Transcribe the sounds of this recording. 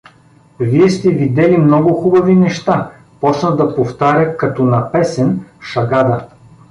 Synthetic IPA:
viɛst̪ɛvid̪ɛlimnɔɡʊxubɐvinɛʃt̪a | pɔt͡ʃnəd̪ɐpoft̪aɾʲəkɐt̪ɔnɐpɛsɛnʃɐɡad̪ə

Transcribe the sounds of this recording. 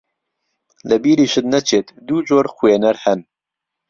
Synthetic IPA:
ləbiːɾiːʃɨt̪nɛt͡ʃʰeːt̪d̪uːd͡ʒoːɾxwenɛɾhɛn

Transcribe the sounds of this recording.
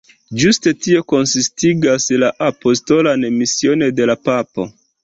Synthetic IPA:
d͡ʒuste̞tio̞ko̞nsistiɡaslaʔapo̞sto̞lanemisio̞nede̞lapapo̞̰

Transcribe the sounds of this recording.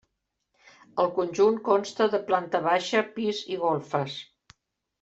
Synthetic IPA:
əlˠkunʲʒuŋkɔnst̪əðəplant̪əβaʃəpiziɣolˠfəs

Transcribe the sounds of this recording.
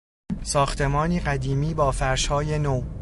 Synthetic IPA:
sɒːxt̪ʰe̞mɒːniːɢæd̪iːmiːbɒːfæɾʃhɒːje̞noː

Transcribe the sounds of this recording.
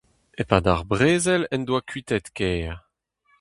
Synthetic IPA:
epaːd̪aʁbʁeːzɛlɛnd̪wakɥit̪ɛt̪kɛːʁ

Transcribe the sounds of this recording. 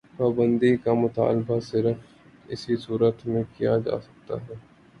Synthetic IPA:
paːbə̃nd̪ikamʊt̪a̰ːlbasɪɾəf | ɪ̰sisuːɾət̪mẽkijad͡ʒa̰ːsɐ̥k̚t̪a̰ɦɛː

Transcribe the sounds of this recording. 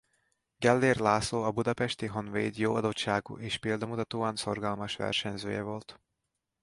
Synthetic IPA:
ɡɛlːeːrlaːsoːɒbud̪ɒpɛʃt̪iɦo̞nvḛːd̪joːɒd̪otʃaːɡṵʔeːʃpeld̪ɒmut̪ɒt̪oːɒnso̞rɡɒlmɒʃʋɛ̰rʃɛɲzø̰ːjɛ̰vo̞lt̪

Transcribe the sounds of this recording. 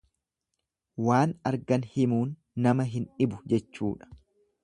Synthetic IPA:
waːnɐɾɡɐnhɪmuːnː | ɐmɐɦɪnᶑɪbʊd͡ʒɛt͡ʃːṵːᶑɐ̥

